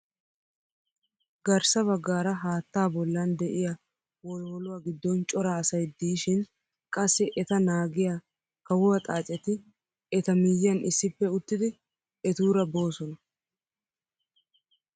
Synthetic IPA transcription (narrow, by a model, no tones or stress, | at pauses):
ɡɐɾsɐβɐɡːaːɾɐɦaːt̪ːaːbɔlːɐnd̪ɛʔɪja | wɔloːlʊwaːɡɪd̪ːɔnt͡ʃʼɔɾaːsɐjd̪iːʃɪn | kʼɐsːɪʔɛt̪ɐnaːɡɪja | kɐwʊwɐt̪ʼaːt͡sʼɛt̪ɪ | ɛt̪ɐmɪjːɐnɪsːɪpːɛʊt̪ːɪd̪ɪ | ɛt̪uːɾɐbo̞ːsɔnɐ